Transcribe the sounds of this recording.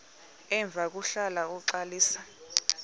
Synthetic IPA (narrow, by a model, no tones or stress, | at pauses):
ɛɱb̪vʱak̬uɬalauǃaliːsa